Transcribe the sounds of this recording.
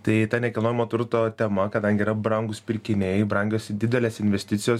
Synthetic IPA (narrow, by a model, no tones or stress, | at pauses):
t̪ɐɪt̪ɐnʲɛkʲɐlˠnoːjɪmoːt̪ʊɾt̪oːt̪ʲɛmɐkɐd̪ɐŋʲɡʲɪiːɾɐbɾɐŋɡʊspʲɪɾʲkʲɪnʲɛɪbɾɐŋʲɡʲoːsʲɪd̪ʲɪd̪ʲɛlʲeːsɪnʲʋʲɛsʲt̪ʲɪt̪sʲɪjoːs